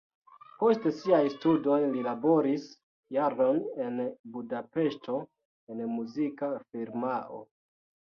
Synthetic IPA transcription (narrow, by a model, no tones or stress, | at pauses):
po̞ste̞siajstudo̞jlilabo̞ɾis | jaɾo̞ne̞nbudape̞ʃto̞ | e̞nmuzikafiɾmaʔo̰